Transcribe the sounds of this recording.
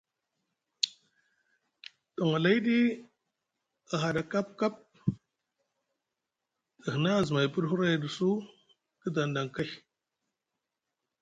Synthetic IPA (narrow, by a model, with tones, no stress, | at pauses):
to˨ŋa˨la˦i˦di˦ | a˨ɦa˨da˨ka˦p̚ka˦p̚ | də˨hə˨na˦˨zi˨ma˨jpu˦ɾɦu˦ɾa˦jdi˨su˦ | kə˦da˨nda˨ŋ˨ka˦